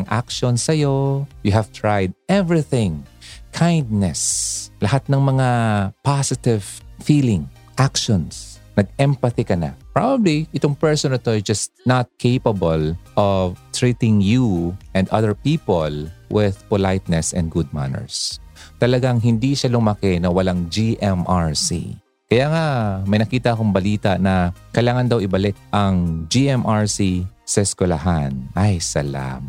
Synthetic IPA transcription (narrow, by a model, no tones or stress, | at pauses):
ŋʔa̰kʃɔnsɐjojʊɦɐv̥t̪ɹajd̪̚ʔɛvɹiθɪ̃ŋkʰãjnd̪̚nɛslɐhat̪̚nɐŋmɐŋapasɪt̪ɪvfiːlɪ̃ŋ | ʔakʃɔns | nɐɡ̚ʔɛmpɐθikɐna̰pɹabɐbliʔɪt̪oŋpɛɹsonɐɪt̪oɛd͡ʒɐst̪nat̪̚kʰejpɐbɐlʔɔvt̪ɹit̪ɪ̃ŋjuʔɛnd̪ʔɐðɛɹpiːpolwɪð̥polajt̪̚nɛsɛ̰̃nd̪̚ɡud̪̚ma̰nɛ̰ɹst̪ɐlɐɡaŋɦɪnd̪iʃalʊmɐkɛnɐwɐlaŋd͡ʒiʔɛmʔaɹsḭ | kɐjaːŋamɐjnɐkiːt̪ɐʔɐkoŋbɐliːt̪ɐnɐkɐjlaːŋɐnd̪ɐwɪbɐlɪt̪̚ʔɐŋd͡ʒiʔɛmʔaɹsisɐɪskɛlɐɦanʔɐjsɐla̰m